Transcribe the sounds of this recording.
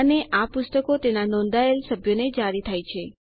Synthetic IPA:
neʔapʊst̪əkot̪enanɔ̃nd̪aelsəbʱjoned͡ʒaɾit̪ʰajt͡ʃʰe

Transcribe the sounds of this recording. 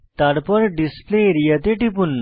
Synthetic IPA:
t̪aɽpəɾɖispleɾjət̪eʈipun

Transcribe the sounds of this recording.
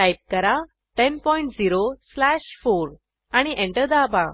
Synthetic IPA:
ʈajp̚kəɾa | ʈɛnpɔiɳʈd͡ziɾoslæɕfoɾ | aɽ̃iʔɛ̃ɳʈəɾd̪aba

